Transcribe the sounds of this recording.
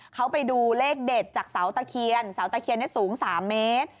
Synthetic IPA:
kʰa˦˥wpa˧jduː˧leː˥˩k̚de˨˩t̪̚t͡ɕaː˨˩k̚sa˩˦wt̪a˧kʰi˧ənsaː˨˩˦wt̪a˧kʰi˧ənː˦˥˩suː˩˦ŋsaː˩˦mːeː˦˥t̪̚

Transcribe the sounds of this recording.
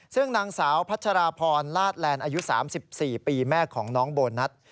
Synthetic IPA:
sɯ˥˩ŋnaː˧ŋsaː˩˦wpʰa˦˥t̪̚ʰa˧ɾaː˧pʰɔː˧nlaː˥˩t̪̚lɛː˧nʔaː˧ju˦˥saː˩˦msi˨˩p̚siː˨˩piː˧mɛː˥˩kʰːɔː˩˦ŋnɔː˦˥ŋboː˧nːa˦˥t̪̚

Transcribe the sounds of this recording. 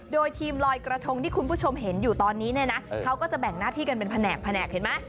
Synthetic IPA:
doː˧jt̪ʰiː˧mlɔː˧jkɾa˧t̪ʰo˧ŋt̪ʰiː˥˩kʰu˧npʰuː˥˩t͡ɕʰo˧mɦe˩˦njuː˨˩t̪ɔː˧nːiː˦˥ni˥˩ɐna˦˥kʰa˦˥wkɔː˥˩t͡ɕa˨˩bɛ˨˩ŋnaː˥˩t̪ʰiː˥˩ka˧npe˧npʰa˧nɛː˨˩k̚pʰːa˧nɛː˨˩k̚he˩˦nma˦˥˩

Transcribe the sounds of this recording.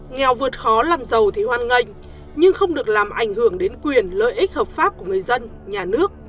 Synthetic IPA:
ŋɛ˨˩wvɨ˨˩ət̚xɔ˨˦laː˨˩mzə˨˩wt̪ʰi˨˩hwaː˧˩nŋə˧jŋ̟ | ɲɨ˧ŋxə˧wŋ͡mɗɨ˨˩ək̚laː˨˩mʔa̰˧˩jŋ̟hɨ˧˩əŋɗe˨˦nkwi˨˩ənləː˧˨jʔi˦˥k̟̚həː˨˩p̚faː˦˥p̚ku˧˩əŋɨ˨˩əjzə˧n | ɲaː˨˩nɨ˦˥ək̚

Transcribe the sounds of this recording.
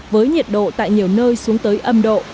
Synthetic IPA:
vəː˨˦jɲi˨˩t̚ɗo̰˧˨t̪a̰ː˧˨jɲi˨˩əwnəː˧jsu˨˦əŋt̪əː˨˦jʔə˧mɗo̰˧˨

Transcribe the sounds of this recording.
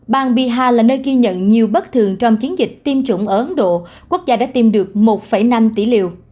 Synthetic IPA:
ɓaː˨˩ŋɓi˧˨˩ɦaː˧laː˨˩nəː˧jɣi˧ɲə̰˧˨nɲi˨˩əwɓə˦˥t̚t̪ʰɨ˨˩əŋt͡ɕɔ˧wŋ͡mt͡ɕi˨˦nzï˨˩k̟̚t̪i˧mt͡ɕʊ̰˧˩ŋ͡mʔəː˧˩ʔə˨˦nɗo̰˧˨ | ku˦˥ək̚zaː˧ɗa̰ː˧˥t̪i˧mɗɨ˨˩ək̚mo˨˩t̚fə˧˩jna˧mt̪ḭ˧˩lḭ˧˨əw

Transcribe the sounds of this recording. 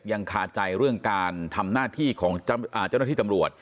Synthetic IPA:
p̚ja˧ŋkʰaː˨˩t̪̚t͡ɕa˧jɾɯ˥˩əŋkaː˧nt̪ʰa˧mnaː˥˩t̪ʰiː˥˩kʰɔː˩˦ŋʔaː˨˩t͡ɕa˥˩na˥˩iː˥˩t̪mɾu˨˩ət̪̚

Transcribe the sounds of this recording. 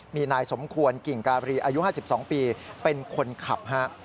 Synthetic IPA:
miː˧naː˧jso˩˦mkʰu˧ənki˨˩ŋkaː˧bɾiː˧ʔaː˧ju˦˥haː˥˩si˨˩p̚sɔː˩˦ŋpiː˧pe˧nkʰo˧nkʰa˨˩p̚ɦa˦˥ʔ

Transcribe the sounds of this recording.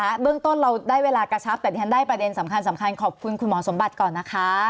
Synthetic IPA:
a˦˥bɯ˥˩əŋt̪o˥˩nɾa˧wdaː˥˩jweː˧laː˧ka˧t͡ɕʰa˦˥p̚t̪ɛː˨˩i˦˧˩a˧˥ndaː˥˩jpɾa˧de˧nsa˩˦mkʰa˧nsa˩˦mkʰa˧nkʰɔː˨˩p̚kʰu˧nkʰu˧nmɔː˩˦so˩˦mba˨˩t̪̚kɔː˨˩nːa˦˥kʰa˦˥

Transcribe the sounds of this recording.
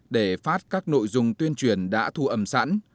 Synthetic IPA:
ɗe˧˩faː˦˥t̚kaː˦˥k̚no̰˧˨jzʊ˨ŋ͡mt̪wi˧ənt͡ɕwi˧˩ənɗa̰ː˧˥t̪ʰu˧ʔə˧˩msa̰˧˥n

